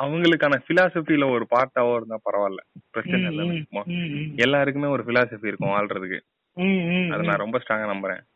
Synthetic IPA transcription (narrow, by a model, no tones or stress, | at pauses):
ɐʋɐŋɡɐɭɯkːaːnɐfɪlaːsɐfiɪlɐɔɾɯpaːɾʈ̪ːaːʋoːɪɾɯnd̪ãːpɐɾɐʋaːlːɐ̰pɪɾɐst͡ʃɐɐnɐnːɯkːmãːɛlːaːɾɯkːɯmeːɔɾɯfɪlaːsɐfiɪɾɯkːʊ̃aːlɾɐðɯkːɯ̰ | ɐ̰ðɐnãːɾɔmbɐsʈɾaːŋɡanɐmbɐɾḛ̃ː